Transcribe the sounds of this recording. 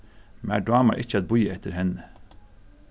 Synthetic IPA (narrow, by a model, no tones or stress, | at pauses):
mæ̰ːɖɑːmɑɾʔɪçəɑt̪̚bʊjəɛt̪ʰːəɾhɛnə